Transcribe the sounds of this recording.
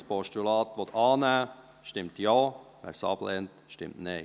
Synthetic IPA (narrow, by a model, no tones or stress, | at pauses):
spɔʃt̪ylɑːt̪ʋɔt̪ʰɑːnæ | ʃtɪmt̪jɑːʋæ̰ɾsɑ̰ːblɛnt̪ʃtɪ̰mt̪neɪ